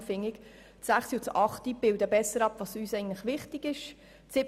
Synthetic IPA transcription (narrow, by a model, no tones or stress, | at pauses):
fɪŋɪkː | æχsiut͡sɑχtib̥ɪldəbɛsːəɾɑpvɑsyːsɛɪɡən̩tləχʋɪχtiɡɪʃ | t͡sɪb